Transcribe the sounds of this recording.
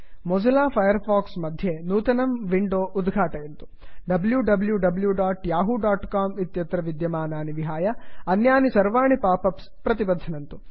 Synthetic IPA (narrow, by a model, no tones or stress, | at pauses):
mɔd͡ʒɐlaːpʰɐjɐɾpʰaːksmɐd̪ʱjenuːt̪ɐnɐmʋiɳɖoːʔud̪ɡʱaːʈɐjɐnt̪u̥ | ɖɐbljuɖɐbljuɖɐbljuɖaːʈjaːɦuɖaːʈkaːmit̪jɐt̪ɾɐʋid̪jɐmaːnaːniʋiɦaːjɐɐnjaːnisɐɾʋaːɳipaːpɐps | pɾɐt̪ibɐd̪ʱːɐnɐnt̪u